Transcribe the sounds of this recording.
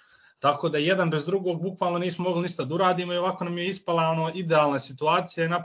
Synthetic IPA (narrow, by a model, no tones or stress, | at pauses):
t̪akod̪aje̞d̪anbɾe̞zd̪ɾuɡo̞ːɡ̚bukʋaːlˠno̞niːsmomo̞ɡliniʃt̪ad̪auɾaːd̪iːmoio̞akoːnamjeispalˠaonoːid̪eaːlˠnasit̪uaːt̪sijainap